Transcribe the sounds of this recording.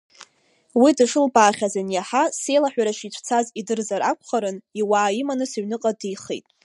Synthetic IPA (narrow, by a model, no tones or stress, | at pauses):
widɨʂɨlbaːχʲazanjaħase̞jlaħʷᶣaɾaʃitʷʰt͡sʰazidɨrzaɾakʷʰχaɾɨniwaːimanɨsaɥnɨqʼadijχḛtʼ